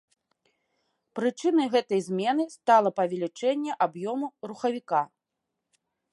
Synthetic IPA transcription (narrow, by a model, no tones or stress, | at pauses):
pɾɨt͡ʂɨnɐjɣɛt̪ɐjzʲmʲɛnɨst̪alˠɐpɐvʲɛlʲit͡ʂɛnʲːɛʔabjɔmuruxɐvʲika